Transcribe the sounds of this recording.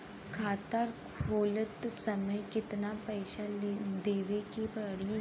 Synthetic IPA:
kʰaːt̪aːɾʰ | oːlət̪sɐməjkɪt̪napɛːʃad̪eːʋekepɐɽi

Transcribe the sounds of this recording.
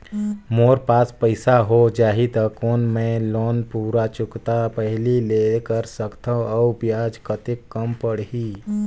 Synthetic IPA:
moːɾpaːspəɪsaɦod͡ʒaːɦit̪əkoːnmẽloːnpuːɾat͡ʃʊkt̪apəɦlileːkəɾsəkt̪ʰaɔbjaːd͡ʒkət̪ɪkːəmpəɽɦiː

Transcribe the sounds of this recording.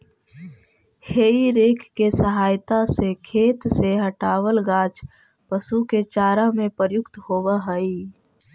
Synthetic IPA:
heːiɾeːkʰkesəɦaːjt̪asekʰeːt̪seɦəʈaːwəlɡaːt͡ʃ | pəsuket͡ʃaːɾamẽpəɾjʊkt̪hoːwəɦəi

